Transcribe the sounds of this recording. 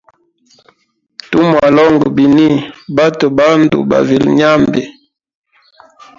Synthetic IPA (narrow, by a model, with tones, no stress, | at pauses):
tu˦mwa˨lɔ˦ŋɡə˨bi˨ni˦ba˦tu˨ba˦n˦dṵ˨ba̰˨vi˨lɲa˦mbi˨